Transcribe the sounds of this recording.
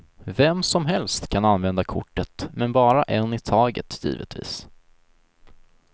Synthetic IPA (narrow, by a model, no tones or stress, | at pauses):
vɛmsɔmɦɛlst̪kʰananvɛnd̪akʰʊ̰ʈːət̪mɛnbɑːɾaʔɛnːɪt̪ʰɑːɡə̰t̪jḭːvə̰t̪vḭːs